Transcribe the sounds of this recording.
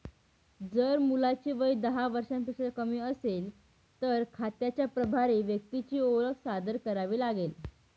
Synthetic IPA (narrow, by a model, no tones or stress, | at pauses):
d͡zəɾmulat͡ɕiːʋəid̪əɦaʋəɾʂampikst͡skəmiːəsel | t̪əɾkʰat̪jat͡ɕjapɾəbʱaɾiːʋjək̚t̪it͡ɕiːoɾəksad̪əɾkəɾaʋiːlaɡel